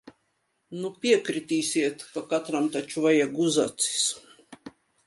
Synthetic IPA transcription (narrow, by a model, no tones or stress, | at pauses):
nupʲiɛkɾit̪ʲiːsʲiɛt̪kakat̪ɾamt̪at͡ʃuvajaɡuza̰t̪si̥s